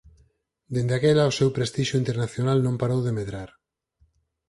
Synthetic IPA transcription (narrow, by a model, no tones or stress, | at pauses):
d̪end̪eakelaosewpɾest̪iʃoint̪eɾnaθjonalnõmpaɾowðemeðɾaɾ